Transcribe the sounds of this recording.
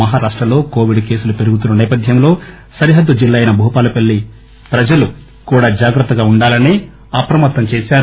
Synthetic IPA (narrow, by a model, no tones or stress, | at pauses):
ɐɦaːɾaːʂʈɾɐlo̞ːko̞ːʋiɖke̞ːsulupe̞ɾuɡut̪̬unːɐnɛːpɐd̪ʱjɐmlo̞ː | sɐɾiɦɐd̪ːud͡ʒilːaːjnɐbʱuːpaːlɐpeɭːi | pɾɐd͡ʒɐlu | kuːɽaːd͡ʒaːɡɾɐt̪ːɐɡaːuɳɖaːlɐniː | ɐpɾɐmɐt̪ːɐmt͡ʃeːsaːɾ